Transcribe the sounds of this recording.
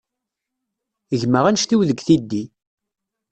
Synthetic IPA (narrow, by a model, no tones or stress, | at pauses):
əʝməʁænʃt̪iwðəɡθid̪ːi